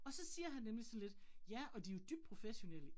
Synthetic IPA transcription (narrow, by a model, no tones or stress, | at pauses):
ɒ̽sɒ̽siːɐɦænːemlisɒ̽n̩le̝d̥jæɒ̽d̥ijo̝d̥yb̥̚d̥̚pʰʁo̝feɕo̝nelə